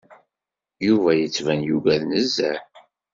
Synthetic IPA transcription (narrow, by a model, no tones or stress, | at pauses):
juvæjət͡sːvænjuɡælnəzːæ